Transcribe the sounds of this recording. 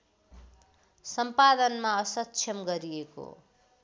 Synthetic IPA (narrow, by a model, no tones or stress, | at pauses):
sʌmpad̪ʌnmaʌsʌtːt͡ʃʰʌmɡʌɾieko̰